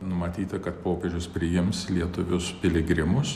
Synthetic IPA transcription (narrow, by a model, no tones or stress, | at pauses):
nʊmɐt̪ʲiːt̪ɐkɐt̪poːpʲeʒʲʊspʲɾʲɪjɪmslʲiɛt̪ʊʋʲʊspʲɪlʲɪɡɾʲɪmʊs